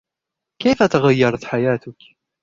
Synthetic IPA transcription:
kijfæt̪ʁəjːəɾˤθħajæt̪ək

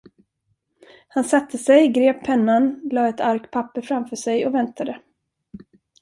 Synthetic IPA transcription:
hansat̪ʰːəsɛjɡɾeːpʰɛnːanlɑːɛt̪ʰaɾkt̪̚pʰapːəɾfɾamfœːʂɛjɔvɛnt̪ʰad̪ə

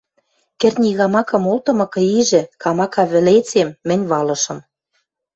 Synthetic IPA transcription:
kɘ̆rnʲiɣɑmɑkɤ̆molt̪ɤ̆mɤ̆kɤ̆iʒɘ̆kɑmɑkɑβɘ̆let͡semːɘ̆nʲβɑlɤ̆ʃɤ̆m

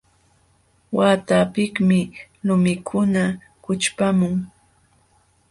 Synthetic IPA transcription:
waːt̪apɪkmɪ | lʊmɪkʰʊna | kʊt͡ʃpamʊŋ

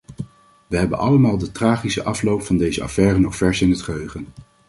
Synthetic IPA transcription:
ʋəɦɛbə̰nʔɑləmaːlˠdətraːχisəʔɑflowpfɑndejzəɑ̰fɛːrənɔχfɛɹsɪnɦətχəɦøɥχən

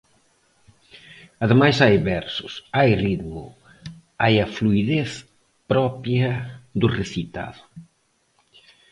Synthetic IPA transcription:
ɐðemajsajβɛɾsʊsajrit̪mʊ̰ | ajɐfluiðeθ | pɾɔpjɐðʊreθit̪a̰ðʊ

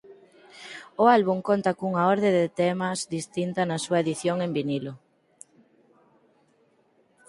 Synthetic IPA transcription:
ʊalβuŋkont̪ɐkuŋɐɔɾðeðɪt̪ɛmɐzðist̪int̪ɐnɐsuɐeðiθjoŋembinilʊ

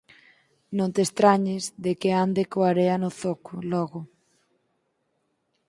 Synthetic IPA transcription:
nõnt̪est̪ɾaɲɪzðekeand̪ekoaɾeanʊθokʰʊlɔɣʊ

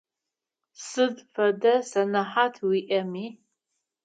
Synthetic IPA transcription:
sɨdfɐdɐsɐnɐħatʰwiʔɐmiː

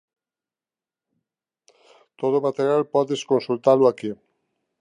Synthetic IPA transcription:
t̪oð̞omat̪eɾjalpɔðeskonsult̪alʊaki

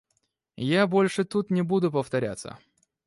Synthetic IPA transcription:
jabolʲʂɨt̪ut̪nʲɪbud̪ʊpəft̪ɐɾʲa̰t̪sːə̰

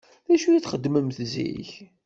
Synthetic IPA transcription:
ðæʃujiθχəd̪ːməmθzḭç

